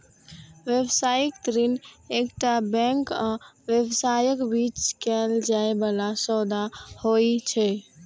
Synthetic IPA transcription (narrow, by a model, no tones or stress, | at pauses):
ʋebsajəkt̪əɾinekʈabɛ̃ŋka | ʋebsajəkbit͡ʃkɛld͡ʒaebalasɔd̪ahoit͡ʃʰɛ